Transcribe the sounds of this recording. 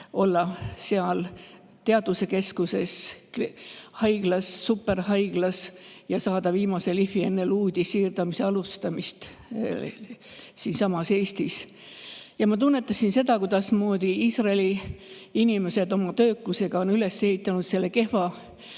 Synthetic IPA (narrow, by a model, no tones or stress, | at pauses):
o̞lːɑseɑl | t̪e̞ɑd̪̥use̞ke̞skuse̞s | hɑjɡ̥lɑsːupːˑe̞ɾɦɑjɡ̥lɑsjɑsɑːd̪̥ɑviːmɑse̞lifie̞nːe̞luːd̪̥ʲisiːrd̪̥ɑmise̞ɑlust̪ɑmist̪ | siːnsɑmɑse̞ːst̪is | jɑmɑt̪unːet̪ːˑɑsinse̞d̪̥ɑkud̪ɑsmo̞ːd̪̥iiːsrɑeli | inime̞se̞d̪o̞mɑt̪ø̞ːkːuse̞ɡ̥ɑo̞nyle̞se̞hit̪ˑːɑnut̪se̞lːe̞ke̞hvɑ